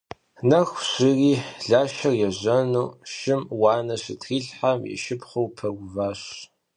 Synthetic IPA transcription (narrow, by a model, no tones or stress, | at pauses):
nɐxʷɕɪriːɮaːʃɐrjɛʑɐnuːʃɪmwɑːnɐɕɪtʰriːɬħamjɛ̰ʃɪpχɐwpʰɐɡʷvaːɕ